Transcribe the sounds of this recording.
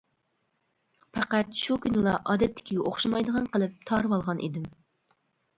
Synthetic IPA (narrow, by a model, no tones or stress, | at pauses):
pʰæqæt̪ʃukʲynlˠɑʔɑːd̪ɛt̪ʰːɪ̥kʲʰiɡʲɛʔoχʃɑmɑjd̪əʁɑnqəlˠɨp̚t̪ʰɑɾwɑlˠʁɑnʔḭd̪ɪm